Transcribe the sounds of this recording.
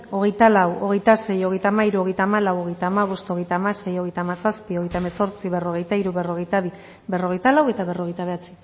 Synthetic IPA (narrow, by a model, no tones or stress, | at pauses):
o̞ɣ̞e̞jt̪alawo̞ɣ̞e̞jt̪ase̞jo̞ɣ̞e̞jt̪aːmaiɾuo̞ɣejt̪amalawo̞ɣ̞e̞jt̪aːmaβ̞o̞st̪o̞ɣ̞e̞jt̪amase̞jo̞ɣejt̪aːmasaspio̞ɣjt̪aemeso̞ɾt͡siβero̞ɣ̞e̞jt̪aiɾuβero̞ɣejt̪aβi | bero̞ɣ̞e̞jt̪alawe̞t̪aβe̞ro̞ɣ̞ejt̪aβe̞at͡si̥